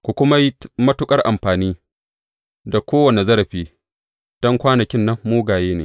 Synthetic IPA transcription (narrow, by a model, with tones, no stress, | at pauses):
kʷu˨kʷʊ˦ma˦ji˦mɐ˦tʊ˦kʼɐ˦rʔa̰˨mɸaː˨niː˦ | da˨kʷoː˦wɐ˨ne˨zɐ˦ɾɐ˨ɸiː˦ | d̥ɔ˦ŋkʷaː˦nɐ˨kʲɪ˦nːɐ˦mːuː˦ɡaː˨jeː˦neː˨